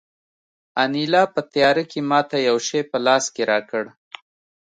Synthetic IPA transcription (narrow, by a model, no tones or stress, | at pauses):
anilɑpət̪jɑɾəkemɑt̪ajawʃepəlɑskeɾɑkəɽ